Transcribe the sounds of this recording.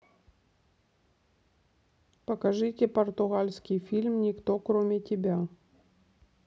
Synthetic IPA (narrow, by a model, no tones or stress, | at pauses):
pəkɐʐɨtʲɪpərt̪ʊɣalʲskʲɪjfʲilʲmnʲɪkt̪okɾomʲɪtʲɪbʲa